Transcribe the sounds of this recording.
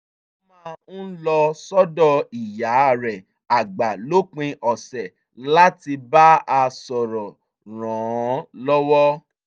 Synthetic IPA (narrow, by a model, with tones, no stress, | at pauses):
mã˦˧n̩˦lɔ˧sɔ˦dɔ˦˨i˨ja˨˦˨ɾɛ˨ | a˨ɡ͡ba˨lo˦k͡pĩ˧ʔɔ˨sɛ˨ | la˦ti˧ba˦a˧sɔ˨ɾɔ˨ | ɾ̃ɔ̃˨˦lɔ˦wɔ˦